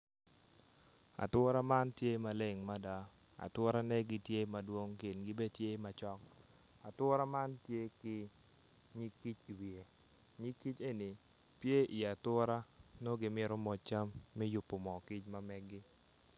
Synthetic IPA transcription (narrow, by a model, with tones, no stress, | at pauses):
a̰˨twɔ˦ɾa˦ma˦ntje˦ma˨le˨ŋma˦da˨ | a̰˨twɔ˦ɾa˦nɛ˦ɡɪ˨tje˦ma˨dwo˦ŋkɪ˨nɡɪ˦be˦tje˦ma˨t͡ʃɔ˦k | a˨twʊ˦ɾa˦ma˦ntje˦kɪ˦ | ɲi˦kːi˦t͡ʃi˨wi˨e˨ | ɲi˦kːi˦t͡ʃe˦ni˨ | pje˦ʔi˨a˨twɔ˦ɾa˦no˦ɡɪ˨mɪ˦ɾɔ˦mɔ˨t͡ʃa˦mːɛ˦jʊ˨pːo˨mɔ˨kɪ˦t͡ʃma˦mɛ˦ɡɪ˦